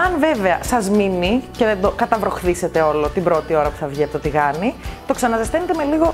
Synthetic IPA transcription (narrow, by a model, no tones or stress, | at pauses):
ɐnve̞ve̞ɐsɐzminiceðend̪o̞kɐt̪ɐvɾo̞xθise̞t̪e̞o̞lo̞t̪ibɾo̞t̪io̞ɾɐpu̥θɐvʝiept̪ot̪iɣɐnit̪o̞ksɐnɐsɐst̪enet̪eme̞liɣo̞